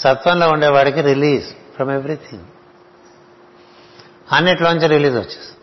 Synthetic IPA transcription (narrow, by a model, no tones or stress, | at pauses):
sɐt̪ʋɐnloːuɳɖeːʋaːɽɐkiɾiliːsfɾɐmeʋɾit̪ʰĩŋɡ | ɐnːeʈloːɲt͡ʃɐɾɾiliːsʋɐt͡ʃːe̥s